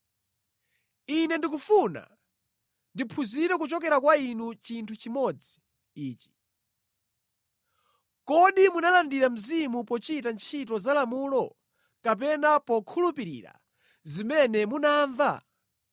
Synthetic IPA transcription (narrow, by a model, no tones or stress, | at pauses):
inɛndik̬ufuna̰ | ndipʰuziɾɛk̬ut͡ʃɔk̬ɛɾakwainut͡ʃintʰut͡ʃimɔd͡zi | iːt͡ʃi̥ | kɔɗimunalandiɾam̩zimupɔt͡ʃitant͡ʃʰitɔzalamulɔ | kap̬ɛnapɔkʰulupiɾḭːɾa̰ | zimɛnɛmunaːɱva